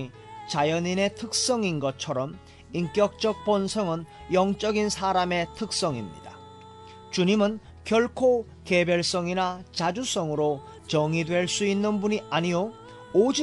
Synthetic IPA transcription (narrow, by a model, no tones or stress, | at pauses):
i | t͡ɕajʌnine̞tʰɯk̚s͈ʌŋinɡʌt͡ɕʰʌɾʌm | iŋk͈jʌk̚t͡ɕ͈ʌk̚p͈ʌnsʰʌŋɯn | jʌŋt͡ɕ͈ʌɡinsʰaɾame̞tʰɯk̚s͈ʌŋḭmɲḭd̥a | t͡ɕuɲimɯn | kjʌɭkʰo | ke̞bjʌɭs͈ʌŋinat͡ɕad͡ʑus͈ʌŋɯɾo | t͡ɕʌŋidwe̞ɭs͈uinːɯnbuɲiaɲijoː | d͡ʑi